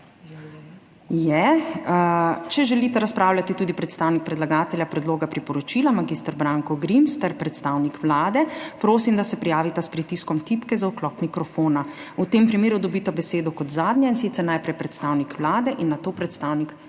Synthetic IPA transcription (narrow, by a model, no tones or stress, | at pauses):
jɛ | t͡ʃɛʒɛlit̪ɛɾaspɾaːwlʲat̪it̪uːd̪ipɾɛt̪st̪aːwnik̚pɾɛd̪laɡaːt̪ɛljapɾɛd̪loːɡapɾipɔɾɔt͡ʃilamaɡist̪aɾbɾaːŋkɔɡɾimst̪ɛɾpɾɛt̪st̪awnikʋlaːd̪ɛpɾoːsimd̪asɛpɾijaːʋit̪aspɾit̪iskɔmt̪ipkɛzauklɔkmikɾɔfoːnaut̪eːmpɾimeːɾud̪ɔbit̪abɛseːd̪ɔkɔt̪zaːd̪njɛinsit̪sɛɾnajpɾɛjpɾɛt̪st̪aːwnikʋlaːd̪ɛʔinːat̪oːpɾɛt̪st̪awnik